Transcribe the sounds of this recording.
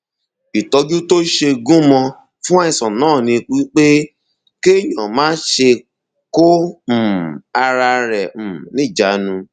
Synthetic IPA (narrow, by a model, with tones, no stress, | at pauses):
i˨tɔ˧d͡ʒu˦to˦ʃe˧ɡũ˦mɔ̃˧ | fũ˦a˦i˧˨sɔ̃˨nãː˦˨nĩ˧k͡pi˦k͡pe˦ | ke˦˨jɔ̃˨mãː˨˦ʃe˧ | ko˦˨ | a˧ɾa˧ɾɛ˨nĩ˦˨d͡ʒa˨˦nũ˧